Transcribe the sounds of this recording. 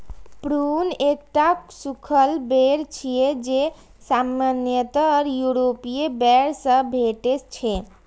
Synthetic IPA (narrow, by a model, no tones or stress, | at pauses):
pɾunek̚ʈasukʰəlbeɾt͡ʃʰijed͡ʒe | samanjət̪əɾjuɾopijebɛɾsə̃bʱeʈet͡ʃʰe